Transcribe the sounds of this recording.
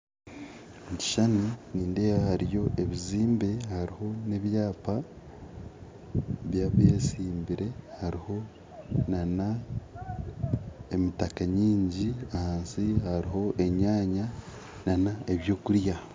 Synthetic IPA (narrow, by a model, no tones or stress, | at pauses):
muɟi̥ʃanuniːnde̞βahaɾjo̞eβiziːmbe̞haɾiho̞ne̞βjaːpa | βjaβeːsiːmbiɾe̞haɾiho̞ | nana | emitakaɲiːɲɟiahaːnsihaɾiɦo̞ʔe̞ɲaːɲa | nanaeβjo̞ːkuɾja